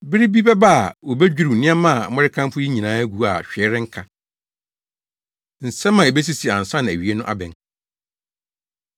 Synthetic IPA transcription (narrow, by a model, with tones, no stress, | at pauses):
bɪ˦ɾi˦bi˦bɛ˦ba˦a˨wo˨bɛ˦d͡ʑᶣi˦ɾu˨nɪ̃˦a˦mã˦˨mɛ˦ɾɪ˦kʰã˦mfʊ˦ji˦ɲĩ˨nãː˦æ˦ɡu˨a̰˨ɕᶣɛ˦ɾɪ̃˦ŋ̩˦kʰã˨ | n̩˨sɛ̃˦mːã˨e˨be˦s̬i˦si˨a˨n̩˨sã˦ñ˨æ˨ɥi˨˦e˦nʊ̃˦ʔa̰˦bɛ̰̃˨n